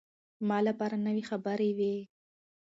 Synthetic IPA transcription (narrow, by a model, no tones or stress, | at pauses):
mɑlapɑɾanəwixabəɾewi